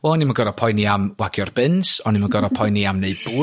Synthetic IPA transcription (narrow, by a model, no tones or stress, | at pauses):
wɛlˠnimaɡɔɾɔpʰɔjniamwaɡjɔrb̥ɪnsɔnimaɡɔɾɔpʰɔjniamneɨb̥u